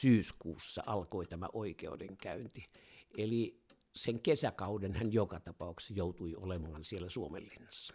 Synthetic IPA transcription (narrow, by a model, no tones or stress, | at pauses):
syːskṵːsːɑ̰ɑlkoit̪æmæ̰ʔoˑikḛudḛŋkæynt̪ieli | seŋkesækɑudenhænjokɑt̪ɑpɑˑuksjoˑut̪uio̰lemɑːnsielːæsuomḛlːinːɑ̥sːɑ̥